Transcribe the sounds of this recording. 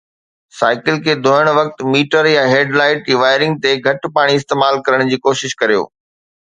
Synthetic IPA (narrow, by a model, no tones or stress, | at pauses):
saːɪkɪlkʰeːd̪ʱoːəɽ̃ʋɐk̚t̪miːʈəɾjaɦeːɖlaːɪʈɪʋaːɪɾɪ̃ŋɡ̚t̪eɡʱɐʈpaːɽ̃iɪst̪eːmaːlkɐɾəɽ̃d͡ʑiːkoːʃɪʃkɐɾijo̰ː